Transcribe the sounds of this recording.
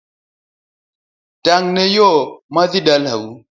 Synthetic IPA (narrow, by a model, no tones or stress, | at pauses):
taŋnejɔmaðiɗalhawu